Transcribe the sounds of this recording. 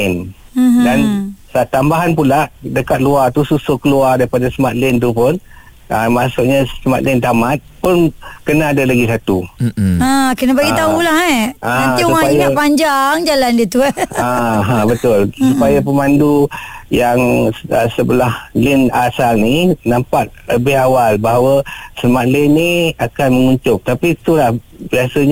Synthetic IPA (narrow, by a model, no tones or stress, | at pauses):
ɪn | dansat̪ːambaɦanpulaʔdəkat̪̚luart̪ususokəluardaɾipadasəmat̪̚lɪnt̪̬upʊn | əmasʊʔ̚ɲasəmat̪lɪnt̪amat̪̚pʊnkənaːdalaɡisat̪uakənabaɡit̪aulaɦɛaaiuaapaɲd͡ʒaŋd͡ʒalandiət̪uaɦãbət̪ʊlsupajapəmandujaŋəsəbəlahlɪnasalninampaʔ̚ləbɪɦawalbaɦawəsəlmat̪̚lɪnːiakanməŋuɲtʊp̚t̪apit̪ulah | biasəɲ